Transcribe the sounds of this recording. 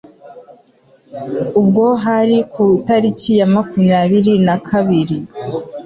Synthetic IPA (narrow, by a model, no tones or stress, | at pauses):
ubɡo̞ɦaɾikʰutaɾicijamakumɲaːβiɾinakʰaβiɾi